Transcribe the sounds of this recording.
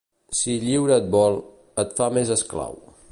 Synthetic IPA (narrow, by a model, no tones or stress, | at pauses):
siʎiwɾət̪̚bɔlˠ | ət̪famezəskla̰w